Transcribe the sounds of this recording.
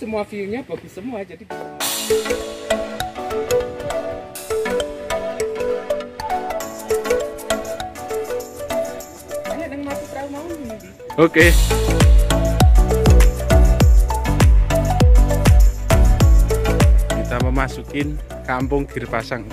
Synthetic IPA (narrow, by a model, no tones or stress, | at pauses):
səmuafijuɲab̥a̤ɡ̥ṳsəmuad͡ʒadib | anenəŋmasukɾaumauni | oke | kit̪aməmasukɪn | kampʊŋɡ̥i̤rpasaŋ